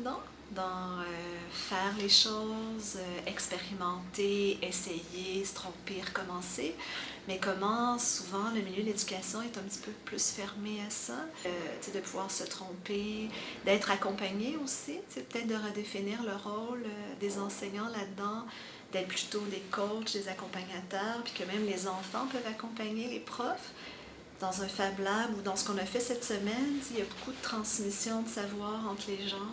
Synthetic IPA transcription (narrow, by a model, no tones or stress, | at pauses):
d̪ɑ̃ | d̪ɑ̃øfɛːʁleʃɔzøɛkspeʁimɑ̃t̪eɛsejesə̥t̪χɔ̃peʁəkɔmɑ̃se | mɛkɔmɑ̃suvɑ̃ləmiljød̪əled̪ykʲasjɔ̃ɛt̪ɛ̃pət̪i̥pøplysfɛʁmeasat͡sed̪əpuvwaːʁsət̪χɔ̃ped̪ɛːt̪χakɔ̃paɲeosit͡sepə̥t̪ɛt̪̚d̪əʁəd̪efiniːʁləʁːɔlød̪ezɑ̃seɲɑ̃lad̪ɑ̃ | d̪̥ɛːt̪̚pʰly̥t̪od̪ekɔt͡ʃd̪ezakɔ̃paɲat̪œːʁpi̥kəmɛ̃mlezɑ̃fɑ̃pœvakɔ̃paɲelepχɔf | d̪̥ɑ̃zɛ̃fablabud̪ɑ̃sə̥kɔ̃nafɛsɛt̪səmɛnsejabokud̪ət̪χɑ̃smisjɔ̃d̪əsavwaːʁɑ̃t̪ʰleʒɑ̃